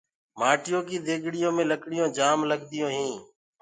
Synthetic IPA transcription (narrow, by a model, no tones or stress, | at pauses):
maːʈɪjoːkiːd̪eːɡʱɽɪjõːmẽːləkɽɪjõːd͡ʒaːmləɠd̪ɪjõːɦĩː